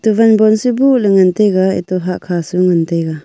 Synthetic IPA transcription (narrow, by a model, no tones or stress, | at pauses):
t̪uvanbɔnsibuleŋɯnt̪eɡaḭt̪ɔɦaʔkʰasuŋɯnt̪eɡa